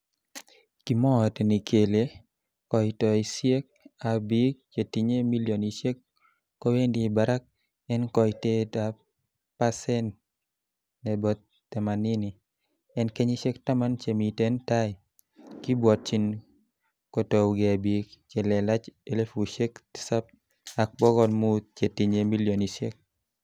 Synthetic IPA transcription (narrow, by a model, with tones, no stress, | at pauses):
ki˨mɔ˦˨te˨ni˨kʰe˨le˦ | kɔ˨jtɔ˨i˨sje˦k̚a˨bi˦k̚t͡ʃe˨ti˨ɲe˦mi˦ljo˨niʃe˦kː | ɔ˦we˦ndiː˨ba˨ɾa˦k̚ | ɛ˦nkɔ˨jte˦ta˨ | pa˦sɛ˦n | nɛ˨bɔ˨t̪ːɛ˨ma˨ni˦ni˨ | ɛ˦nke˦ɲi˦ʃe˦kta˦ma˦nt͡ʃe˨mi˨te˦nta˦j | kɪ˦bwɔ˨t̚t͡ʃi˦n | kɔ˨to˨ɡe˨a˨bi˨kt͡ʃe˨lɛ˨la˦t͡ʃe˦le˦fu˨ʃe˦kti̥˦sa˦p̚ | a˨k̚bɔ˦ɡɔ˦nmu˦t̪̚t͡ʃe˨ti˨ɲe˦mi˦ljɔ˨ni˨ʃje˦k̚